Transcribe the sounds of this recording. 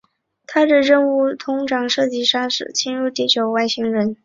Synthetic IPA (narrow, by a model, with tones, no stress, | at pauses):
t̪ʰa˥ʈ͡ʂə˥˨˩ɻə˥˧nu˥˩t̪ʰʊ˧˥ŋʈ͡ʂɑ˨˩ŋʂɤ˥˧t͡ɕi˥ʂa˥ʂɻ̩˨˩t͡ɕʰi˥nɻu˥˧t̪i˥˩t͡ɕjo˨˩ʊwa˥˩ɪɕi˧˥ŋɻə˧˥n